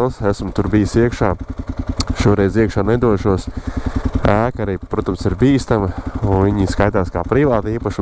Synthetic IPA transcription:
lˠsæsmt̪uɾbijsiɛkʃaː | ʃuɔɾɛjziɛkʃaːnɛd̪uɔʃuɔs | æːkaɾiːpɾuɔt̪ɐmsiɾbiːst̪amɨuviɲiskajt̪aːskaːpɾiʋaːt̪iːpaʃu

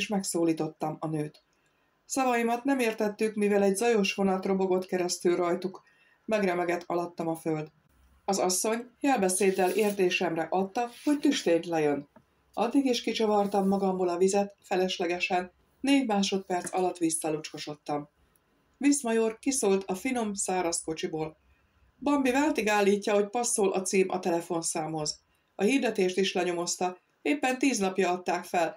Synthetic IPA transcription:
ʃmɛksoːliːt̪o̞t̪ːɒmɒnøːt̪ | sɒvɒjimɒt̪nɛmeːrt̪ɛt̪ːykmivɛlɛɟzɒjo̞ʃʋo̞nɒt̪ro̞bo̞ɡo̞t̪kɛɾɛst̪ylrɒjt̪uk | mɛɡrɛmɛɡɛt̪ʰɒlɒt̪ːɒmɒføld̪ | ɒzɒsːo̞ɲjɛlbɛseːd̪ːɛleːrt̪eːʃɛmrɛʔɒt̪ːɒho̞ct̪yʃt̪eːnt̪lɛjø̞n | ʔɒd̪ːiɡeːʃkit͡ʃɒvɒrt̪ɒmːɒɡɒmboːlɒvizɛt̪fɛlɛʃlɛɡɛʃɛnː | eːɟmaːʃo̞t̪̚pɛrt̪sɒlɒt̪ːʋisːɒlut͡ʃko̞ʃo̞t̪ːɒm | vismɒjorkisoːlt̪ʰɒfino̞msaːɾɒsko̞t͡ʃiboːl | bɒmbivaːlt̪iɡaːlːiːcːɒɦo̞cpɒsːoːlʔɒ̰t̪siːmʔɒ̰t̪ɛlɛfo̞nsaːmho̞z | ɒhiːrd̪ɛt̪eːʃt̪iʃlɛɲo̞mo̞st̪ɒ | eːpːɛnt̪iːznɒpjɒɒt̪ːaːkfɛl

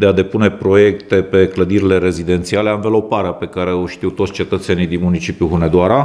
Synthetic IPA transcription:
d̪ead̪e̞pune̞pɾo̞je̞kt̪e̞pe̞kləd̪iɾile̞ɾe̞zid̪e̞nt̪siale̞anvəlo̞paɾeape̞kaɾe̞oʃt̪iwt̪ot̪sʲt͡ʃe̞t̪ət̪se̞nijd̪inmunit͡ʃipjuɦuned̪oaɾa

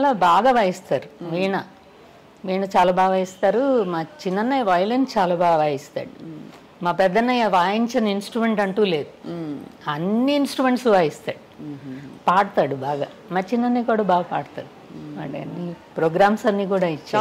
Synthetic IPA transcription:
t͡ʃalaːbaːɡaʋaːjist̪aːɾuʋiːɳɐ | ʋiːɳɐt͡ʃaːlaːbaːɡaːist̪aːɾumaːt͡ʃinːɐnːɐjʋɐjɐlent͡ʃaːlaːbaːɡɡaːjist̪a̰ːɽu | maːpɛd̪ːɐnːɐjʋaːjiɲt͡ʃɐnɐinsʈɾume̞ɳʈɐɳʈuːle̞ːd̪u | ɐnːiːnsʈɾume̞ɳʈsuʋaːjist̪aːɽu | paːɽɐt̪aːɽubaːɡaː | maːt͡ʃinːɐnːiːkuːɽaːbaːɡɐpaːɽt̪a̰ːɽumɐ̰ʈɐnːipɾoːɡɾaːmsɐnːiːkuːɽaːit͡ʃːaː

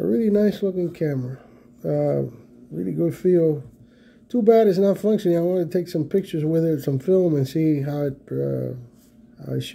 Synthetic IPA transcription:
ə̰ɹɪlˠinaɪslʊkɪ̃ŋkʰæmə˞ɨ | ʌ | ɹɪ̰lˠḭɡʊd̥filˠ | tʰubæɾɨznətfʌ̃ŋkʃɨnɪ̃ŋaɪwɑ̃nətʰeɪksʌ̃mpʰɪk̚t͡ʃə˞zwɪðə˞sʌ̃ɱfɪlˠmɨ̃nsiɦaʊɨt̚ʌ̰ | a̰ʃ

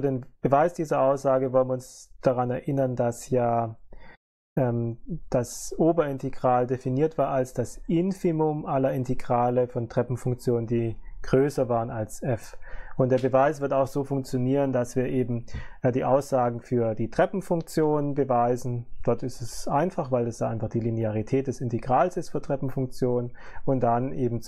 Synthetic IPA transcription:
fyɐdeːmb̥əvaɪsd̥iːzɐʔaʊsz̥aːɡəvɔlənviʊnsd̥aʁanɛɐʔɪnɐndasjaː | ʔɛːmd̥asʔoːbɐɪnteɡʁaːldefiniːɐtv̥aːɐalsd̥asʔɪnfimʊmʔalɐɪnteɡʁaːləfɔntʁ̥ɛpm̩fʊŋk̚t͡sjoːnəndiːɡ̥ʁøːsɐvaːʁənalsʔɛfʔʊntd̥eːɐbəvaɪsv̥ɪɐtaʊxz̥oːfʊŋk̚t͡sjoniːʁ̞əndasv̥iːɐʔeːbm̩diːʔaʊsz̥aːɡŋ̩fyːɐdiːtʁ̥ɛpm̩fʊŋk̚t͡sjoːnənbəvaɪzn̩d̥ɔɐtɪstɛsʔaɪnfaχvaɪldasd̥aːʔaɪnfaχd̥iːlineaʁitʰɛːt̚d̥ɛsɪnteɡ̥ʁaːlsɪstfyːɐtʁ̥ɛpm̩fʊŋk̚t͡sjoːnənʊntd̥anʔeːbm̩t͡s

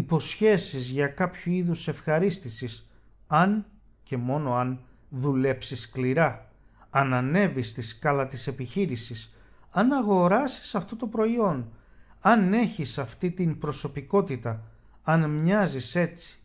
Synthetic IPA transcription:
ipo̞sçe̞sizʝɐkɐpçuiðuse̞fxɐɾist̪isis | ɐn | ce̞mo̞no̞ɐn | ðule̞psiskliɾɐː | nɐne̞vist̪iskɐlɐt̪ise̞piçiɾisis | ɐnɐɣo̞ɾɐsi̥sɐft̪o̞t̪o̞pɾo̞io̞nɐne̞çisɐft̪it̪impɾo̞so̞piko̞t̪it̪ɐ | ɐnmɲɐzise̞t͡si̥

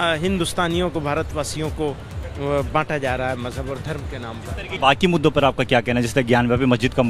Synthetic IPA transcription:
ɦɪ̃nd̪ʊst̪aːnijõkobʱaːɾət̪ʋaːsijõko | bãːʈad͡ʒaːɾaaɦɛːmɐzɦəbɔːɾd̪ʱɐɾmkenãːmpɐɾɐkbaːkimʊd̪ːopɐɾaːp̚kakjaːkɛɦnad͡ʒɪst̪ɐɡjaːnbabʱimɐsd͡ʒɪd̪kam

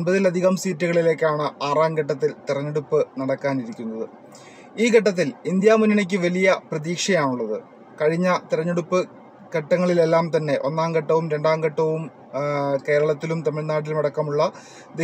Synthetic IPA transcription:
nbɐðilɐd̪ʱiɣɐmsiːtːuɣɐɭile̞ːkʲːaːɳɨʔaːraːŋɡɐʈːɐt̪̬ːilt̪irɐɲːeɽupːɨnɐɽɐkːaːniɾikʲːunːɐðɨ | iːkɐʈːɐt̪̬ːilind̪jaːmunːinek̬ʲːɨʋɐlijɐprɐðiːkʂɐjaːɳuɭːɐðɨ | kɐɻiɲːɐt̪irɐɲːeɽupːɨ | kɐʈːɐŋːɐɭile̞lːaːmt̪ɐnːe̞ʔo̞nːaːŋɡɐʈːɐʋumɾe̞ɳɖaːŋɡɐʈːɐʋum | ke̞ːɾɐɭɐt̪ːilumt̪ɐmiɭnaːɽilmɐɽɐkːɐmuɭːɐ | d̪e

